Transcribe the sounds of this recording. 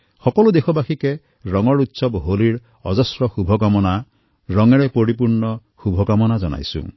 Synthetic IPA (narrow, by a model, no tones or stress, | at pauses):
xɔkɔlud̪ekʰɔbakʰike | ɾɔŋɔɾut̪sɔbɦoliɾ | ɔd͡ʒɔsɾɔxubʱɔkamɔna | ɾɔŋeɽepoɾipuɾɳɔxubʱɔɡamɔnad͡ʒɔna̰jsṵ̃